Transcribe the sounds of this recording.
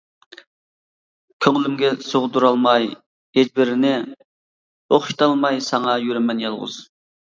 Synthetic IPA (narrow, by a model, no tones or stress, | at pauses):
kʲʰøŋlymɡʲɛsoʁʊd̪uɾɑlˠmɑj | ed͡ʒbɪɾɪnɪ | oχʃi̥t̪ʰɑlˠmɑjsɑŋɑjøɾɛmɛnjɑlˠʁʊ̰z̥